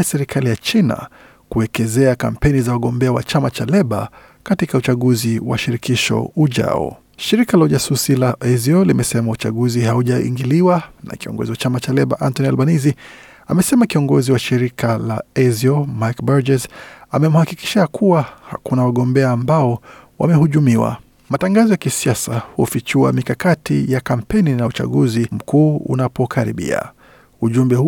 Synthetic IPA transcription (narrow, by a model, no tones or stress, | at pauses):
asɛɾikʰalijat͡ʃina̰ | kuɛkɛzɛaka̰m̩pɛnizawaɠɔmbɛawa̰t͡ʃamat͡ʃalɛɓa̰ | katikaut͡ʃaɠuziwa̰ʃiɾikiʃɔ̰uʄa̰ɔ̰ | ʃiɾikalauʄasusilaʔɛziɔlimɛsɛmaut͡ʃa̰ɠuzihauʄaḭŋɡiliwana̰kiɔ̰ŋɡɔ̰ziwat͡ʃamat͡ʃalɛɓa̰ʔantɔnialɓanizi | a̰mɛsɛmakiɔŋɡɔziwaʃiɾikʰalaɛziɔmakbaɾd͡ʒɛzamɛmuhakiki̥ʃakʰuwaha̰kunawaɠɔmbɛaːmbaɔwa̰mɛhuʄumiwa̰ | mataŋɡazɔjakisiasahufit͡ʃua̰mikakatijakam̩pɛninaut͡ʃa̰ɠuzim̩kuːṵnapɔkʰaɾḭɓḭa̰ | uʄumbɛhu